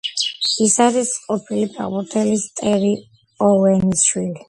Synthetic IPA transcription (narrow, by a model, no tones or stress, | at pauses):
isaɾisqʼɔpʰilipʰa̰ʁbuɾt̪ʰɛlist̪ʼɛɾi | ɔwɛnisʃwili